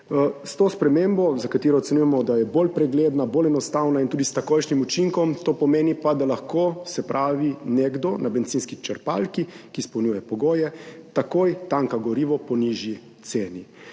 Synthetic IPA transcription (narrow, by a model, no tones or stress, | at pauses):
st̪oːspɾɛmembɔzakat̪iːɾɔɔt̪sɛnujɛmɔd̪ajɛbolpɾɛɡleːd̪naboːlɛnɔst̪awnaint̪uːd̪ist̪akoːjʃnimut͡ʃiŋkɔmt̪oːpɔmeːnipad̪alaxkoːsɛpɾʔaːʋineɡd̪ɔnabɛnt̪siːnskit͡ʃɛɾpa̰lkikispɛwnʲuːjɛpɔɡoːjɛt̪akojt̪aŋkaɡɔɾiʋɔpɔniʒji | t̪seːni